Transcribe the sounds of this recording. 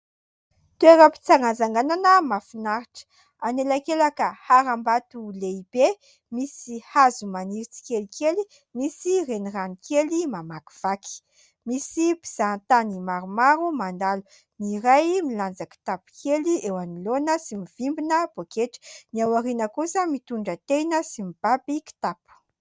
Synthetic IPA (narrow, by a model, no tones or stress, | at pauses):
t̪ueɾəpi̥t͡saŋazaŋɡananəmafinaɾiʈ͡ʂə̥ | anelakelakəhaɾambat̪uleib̥e | misihazumaniɾit͡si̥kelikʰeli | misireniranikʰelimamaki̥v̥aki̥ | misipi̥z̥ant̪animaɾumaɾumand̪alu | niɾajmiland͡zaki̥t̪apu̥kʰeliewanilonəsimiv̥imbinəb̥okeʈ͡ʂə̥niawaɾinəkusəmit̪uɳɖ͡ʐət̪ejnəsimib̥abiki̥t̪apu̥